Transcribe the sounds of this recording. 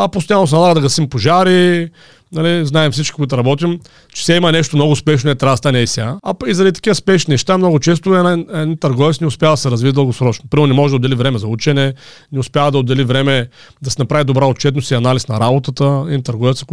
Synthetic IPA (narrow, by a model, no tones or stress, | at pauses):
ɐpost̪nʲɲamɐos̬ɛnɐlˠaɡəd̪ɐɡɐsimpoʒaɾi | nɐliznaɛmfsit͡ʃkʲi̥kʊit̪ʊɾɐbɔt̪im | t͡ʃɛ̥sɛimɐnɛʃt̪omnɔɡʊːspɛʃnoɛt̪ɾʲad̪st̪anɛisʲaɐpizɐɾɐd̪it̪ɐ̥kivɐspɛʃninɛʃt̪amnɔɡʊt͡ʃɛs̬t̪ʊɛnaɛd̪int̪ɐɾɡɔvɛt̪snɛʊspʲjavɐd̪ɐsɛɾɐzviid̪əlˠɡosɾɔt͡ʃnopɾimɛɾnɛmɔʒɛd̪od̪ːɛlivɾɛmɛzɐut͡ʃɛnɛnɛʊspʲjavəd̪ɐod̪ɛlivɾɛmɛ | d̪ɐsɛnɐpɾavid̪obɾaot̪̚t͡ʃɛt̪nosiɐnalisnɐɾabot̪ət̪əiit̪ɐɾɡɔvɛt̪sək